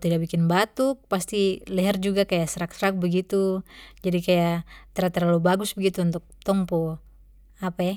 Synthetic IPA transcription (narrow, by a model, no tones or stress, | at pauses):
t̪idaʔbikɪnbat̪upast̪ilɛɦɛrd͡ʒuɡakajasəɾak̚səɾak̚bəɡit̪ud͡ʒadikajat̪ɛɾat̪ərlalubaɡʊsbəɡit̪uunt̪uk̚t̪ɔŋpɔ | apaj